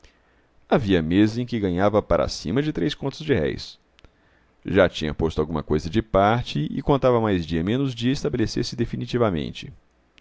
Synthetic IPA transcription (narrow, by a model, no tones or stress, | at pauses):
aviɐmezɐẽkɪɡɐ̃ɲavɐpaɾʔa̰sḭ̃mɐd͡ʒɪt̪ɾejskõnt̪ʊzd͡ʒɪhɛ̰js | ʒat͡ʃĩɲɐ̰post̪ʊawɡũmɐ̰kojzɐd͡ʒɪpaɾt͡ʃɪɪ̰kõnt̪avɐmajzd͡ʒiɐmẽnʊzd͡ʒiɪɐɪst̪abeleseɾsɪd̪efinit͡ʃivɐmḛ̃nt͡ʃɪ